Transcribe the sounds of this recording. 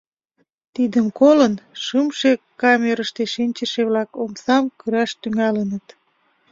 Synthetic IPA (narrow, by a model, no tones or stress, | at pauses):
t̪id̪əmkolənʃəmʃekɑmeɾəʃt̪eʃinʲt͡ɕəʃeβlɑkomsɑmkyɾɑʃt̪yŋɑlənət̪